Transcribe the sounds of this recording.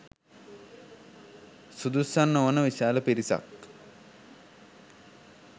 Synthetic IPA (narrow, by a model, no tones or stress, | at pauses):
sud̪usanːoʋonəʋiʃaːləpiɾisa̰k